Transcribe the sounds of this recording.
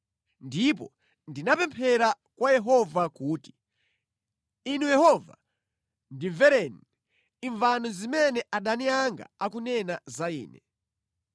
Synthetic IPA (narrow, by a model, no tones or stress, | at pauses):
ndip̬ɔ̰ | ndinapɛmpʰɛɾa | kwajɛɦɔvakuːti̥ | inujɛhɔva̰ | ndivɛɾɛn | iɱvanɔzimɛnɛʔaɗaniaŋɡa̰akunɛnazaḭːnɛ